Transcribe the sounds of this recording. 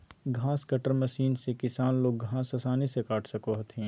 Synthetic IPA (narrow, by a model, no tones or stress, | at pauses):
ɡʱãːskɐʈəɾmɐʃiːnsekɪsaːnloːɡɡʱãːsɐsaːnisekaːʈʰsɐkoɦt̪ʰĩ